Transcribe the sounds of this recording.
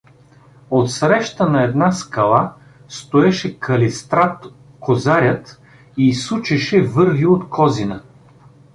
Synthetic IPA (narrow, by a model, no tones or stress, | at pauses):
ot̪sɾɛʃt̪ənɐɛd̪naskɐlˠa | st̪oɛʃɛkɐlist̪ɾat̪ | kozaɾʲət̪ | iːsut͡ʃɛʃɛvɤɾviot̪kʰɔzinə